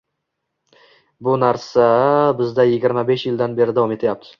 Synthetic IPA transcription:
bʊnaɾsabɪzd̪ajɪɡʲɪɾmabe̞ʃjɪld̪anbe̞ɾɪd̪avɒme̞t̪ʰajap̚t̪ʰɪ̥

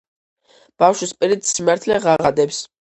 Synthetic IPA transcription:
b̥afʃwispʼiɾit̪simaɾt̪ʰlɛʁaʁad̪ɛps

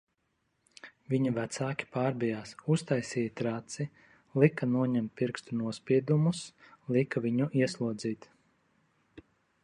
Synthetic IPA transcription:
vʲiɲuvæt̪saːkʲi̥paːɾbijaːsust̪ajsiːjt̪ɾat̪si | lˠikanuɔɲɛmt̪̚piɾkst̪unuɔspʲiɛd̪umuslˠikavʲiɲuʔiɛslˠuɔd̪ziːt̪

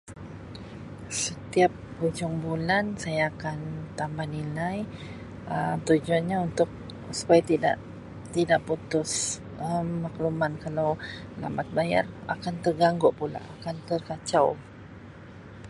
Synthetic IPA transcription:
sət̪iap̚ːud͡ʒʊŋbulansajaːkant̪ambahnilaj | əmt̪ud͡ʒuanɲaunt̪ʊk̚ | su̥pajat̪ida̰ʔ | t̪idaʔput̪ʊs | əmːaklumankalawla̰mat̪̚baja̰ra̰kant̪ərɡaŋɡɔʔpula̰ʔakant̪ərkat͡ʃaw

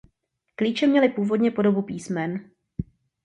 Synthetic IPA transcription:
kliːt͡ʃɛmɲɛlɪpuːvo̞dɲɛpo̞do̞bupiːsmɛn

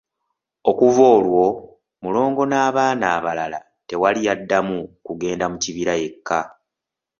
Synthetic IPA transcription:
o̞kuvo̞ːlwo̞ | mulo̞ːŋɡo̞naːβaːnaːβalala̰ | te̞walijadːamukuɡe̞ːndamuciβiɾae̞kːa

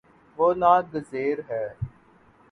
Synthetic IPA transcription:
ʋoːnaːɡ̪əzeːɾɦɛː

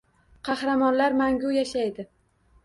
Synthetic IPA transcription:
qʰɑhɾamɒnlaɾmaŋɡʲʊjaʃajd̪ɪ

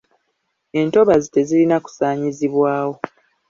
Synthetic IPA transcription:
e̞nto̞βazite̞zilinaku̥saːɲiziβwaːwo̞

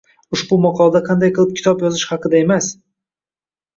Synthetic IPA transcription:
ʊʃbʊmɑqʰɑlˠad̪aqʰɑnd̪ajqʰɨlˠɪp̚kʲʰɪ̥t̪ʰɒpjɒzɪʃhɑqɨd̪ae̞mas

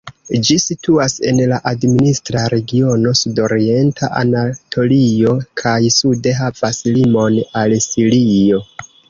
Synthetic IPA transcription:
d͡ʒisitʰuase̞nlaʔadministɾaɾe̞ɡio̞no̞sudo̞ɾie̞ntʰaʔa̰natʰo̞lio̞kʰajsude̞ɦav̥aslimo̞nalsiɾio̞

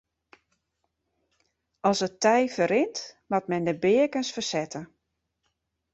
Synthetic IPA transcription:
ɔsətɛjfəɾɪntmatmɛndəbɪəkənsfərsɛtʰə

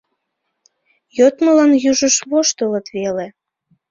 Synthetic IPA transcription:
jot̪məlɑnjyʒəʃβoʃt̪ələt̪βele

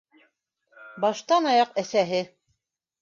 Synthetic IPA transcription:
bɑʃt̪ɑnɑjɑqæsæɦɘ

